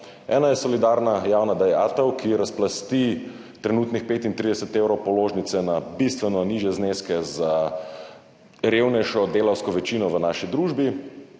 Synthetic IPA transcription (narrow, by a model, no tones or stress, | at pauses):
ɛ̰ːnajɛsɔlid̪aɾnajaːwnad̪ɛja̰ːt̪əwkʰiɾasplast̪i | t̪ɾɛnuːt̪nixpeːt̪int̪ɾid̪ɛsət̪ewɾɔwpɔloːʒnit̪sɛnabist̪ʋɛnɔniːʒjɛzneːskɛza | ɾewnɛjʃɔd̪eːlawskɔʋɛt͡ʃiːnɔʋənaːʃid̪ɾuːʒbi